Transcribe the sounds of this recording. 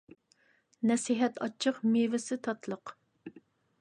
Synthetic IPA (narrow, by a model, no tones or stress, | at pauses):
nɛsiɦɛt̪ʰɑt͡ʃʰːəqmevɪsɪt̪ʰɑt̪lˠəq